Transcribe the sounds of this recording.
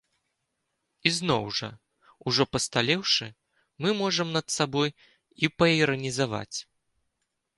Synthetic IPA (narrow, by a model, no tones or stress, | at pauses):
iznɔwʐɐ̰ | uʐɔpɐst̪alʲɛwʂɨ | mɨmɔʐɐmnɐt̪sabɔj | ipɐiɾɐnʲizava̰t͡sʲ